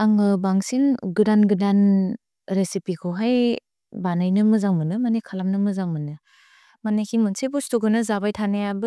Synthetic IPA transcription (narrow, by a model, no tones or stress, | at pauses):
aŋɯbaŋsinɡɯdanɡɯdan | ɾesipikʰɯwɦaj | banajnɯmɯzaŋmɯnɯmanekʰalamnɯmɯzaŋmɯnɯ | manekʰimunsebustuɡɯnɯzabajtʰanajabɯ